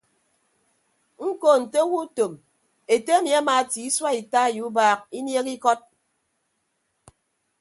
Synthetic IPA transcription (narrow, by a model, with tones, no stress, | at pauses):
ŋ̩˦ko˨n̩˨te˦wu˦to˨m | e˨te˦a˦mi˨a˦maː˨ti˨i˦swa˦i˨ta˦˨ju˨˦baː˦k̚i˦nje˦ki˦kɔ˦t̚